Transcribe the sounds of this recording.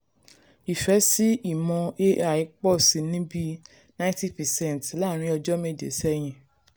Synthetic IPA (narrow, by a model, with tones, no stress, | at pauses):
i˨fɛ˨˦si˦i˦˨mɔ̃˧e˦a˨i˨˧˦k͡pɔ˦˨si˨˦nĩ˦bi˦ | nã˦ĩ˦ti˦˨pɛ˨sɛ̃˦˨n˨tla˦˨ɾ̃ĩ˧˦ɔ˧d͡ʒɔ˦me˦˨d͡ʒḛ˨sɛ˦j̃ĩ˧˨